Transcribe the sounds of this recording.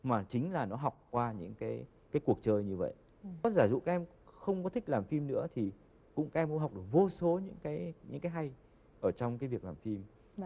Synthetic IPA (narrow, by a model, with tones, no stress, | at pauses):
maː˨˩t͡ɕï˨˦ŋ̟laː˨˩nɔ˨˦ɦa˨˩wk͡p̚kwaː˧ɲɨ̰˧˥ŋkaː˨˦j | kaː˨˦jku˨˩ək̚t͡ɕəː˧jɲɨ˧və̰˧˨jʔ | ɔ˨˦zaː˧˩zṵ˧˨kaː˦ʔɛ˧xə˧wŋ͡mkɔ˨˦t̪ʰï˦˥k̟̚laː˨˩mfi˧mnɨ̰˧˥ət̪ʰi˨˩ | kʊ̰˧˥ŋ͡mka˦˥ʔɛ˧mkŋ͡mɦwk͡p̚ɗɨ˨˩ək̚vo˧so˨˦ɲɨ̰˧˥ŋkaː˨˦jɲɨ̰˧˥ŋkaː˨˦jɦa˧j | ʔəː˧˩t͡ɕɔ˧wŋ͡mkaː˨˦jvi˨˩ək̚laː˨˩mfi˧m